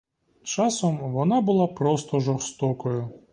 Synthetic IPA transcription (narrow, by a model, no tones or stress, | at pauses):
t͡ʃasɔmʋɔnabʊlˠapɾɔst̪ɔʐɔrst̪ɔkɔjʊ